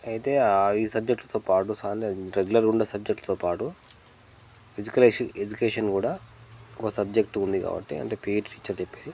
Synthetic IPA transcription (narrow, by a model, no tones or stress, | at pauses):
ɐjit̪e̞ːiːsɐb̚d͡ʒek̚ʈlɐt̪oːpaːʈusaːneɾeɡulɐɾuɳɖɐsɐb̚d͡ʒek̚ʈlɐt̪oːpaːʈu | ed͡ʒukɐled͡ʒukeːʂɐnkuːɽaːɔkɐsɐbd͡ʒek̚ʈund̪ika̰ːbɐ̰ʈːḭɐ̰ɳʈe̞ːpiːʈʈi̥ːt͡ʃːɐɾt͡ʃepːeːd̪i